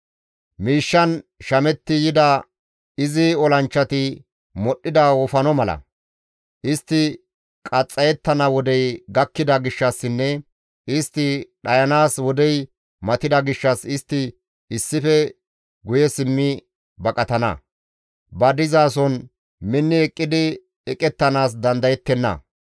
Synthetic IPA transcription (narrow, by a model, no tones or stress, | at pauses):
miːʃːɐnʃɐmɛt̪ːɪjɪd̪ɐ | ɪzɪɔlɐnt͡ʃːɐt̪ɪ | mɔɗːɪd̪ɐwɔfɐnɔmɐlɐ̰ | ʔɪst̪ːɪ | kʼɐt͡sʼːɐjɛt̪ːɐnɐwɔd̪ɛjɡɐkːɪd̪ɐɡɪʃːɐsːɪnːɛ | ʔɪst̪ːɪɗɐjɐnaːswɔd̪ɛj | mɐt̪ɪd̪ɐɡɪʃːɐsɪst̪ːɪ | ɪsːɪfɛ | ɡʊjɛsɪmːɪ | bɐkʼɐt̪ɐnɐ̰ | bɐd̪ɪzaːsɔn | mɪnːɪɛkʼːɪd̪ɪ | ɛkʼɛt̪ːɐnaːs̬d̪ɐnd̪ɐjɛt̪ːɛnːɐ̰